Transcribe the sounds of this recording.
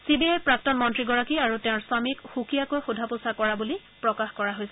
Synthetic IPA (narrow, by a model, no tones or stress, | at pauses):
sibiajpɹak̚tɔnmɔntɹiɡɔɹakiaɹutɛ̃ʊ̃ɹsamikxukijakɔɹxudʱapusakɔɹabuli | pɹɔkaxkɔɹaɦojsɛ